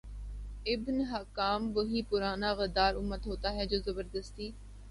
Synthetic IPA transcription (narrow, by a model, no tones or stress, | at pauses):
ɪbnɦɐkaːmbəɦiːpʊɾaːnaːɣəd̪aːɾʊmːət̪ɦoːt̪aːɦɛd͡ʒoːzɐbəɾd̪əst̪iː